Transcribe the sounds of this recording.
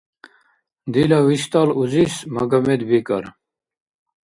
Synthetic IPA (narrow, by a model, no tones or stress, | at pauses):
d̪ilawiɕt̪aːluzismɐɡɐmed̪bikɐ̰ɾ